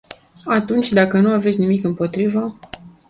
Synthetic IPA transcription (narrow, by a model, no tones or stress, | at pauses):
at̪unt͡ʃʲd̪akənuavet̪sʲnimikɨmpo̞t̪ɾivə